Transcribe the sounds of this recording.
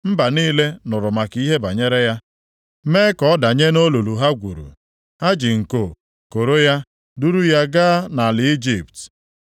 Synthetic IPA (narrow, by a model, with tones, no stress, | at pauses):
m̩˦ba˨niː˦le˦nʊ˨ɾʊ˨ma˨ki˦ɦe˦ba˨ɲe˦ɾe˦ja˦ | meː˦kɔ˦da˨ɲe˦no˦lu˨lu˨ɦa˦ɡʷu˨ɾṵ˨ | ha˦d͡ʒɪ˨ŋ̩˨ko˨ | ko˨ɾo˦ja˦ | du˦ɾu˦ja˦ɡaː˦na˨lɪ˨i˦d͡ʒi˨pt